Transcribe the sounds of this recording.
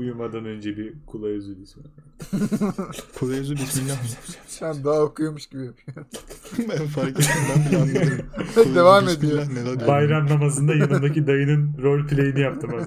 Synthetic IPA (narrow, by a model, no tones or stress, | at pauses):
ujumad̪anø̞nd͡ʒɛbikʰulˠajuzubisin | kʰulˠajuzubisminlʲːaxmsænd̪aːokujomuʃɡibijapʰɯjo | faɾkbiɾmɛd̪evaːmed̪ijoanebajɾamnamazɯnd̪ajanɯnd̪akcid̪ajɯnɯnɾo̞lʲpʰlʲejinijapt̪ʰɯmaz